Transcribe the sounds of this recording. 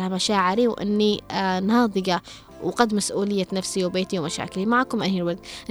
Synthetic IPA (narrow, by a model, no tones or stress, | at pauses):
hamaʃaːʕɪɾiwʔɪ̰nːinhɑːðˤɨɡɑ | wqad̪masʔuːlɪjːanafsiwbeːt̪iwmaʃa̰ːkɪlimaʕakʊmʔajːɪlwad̪l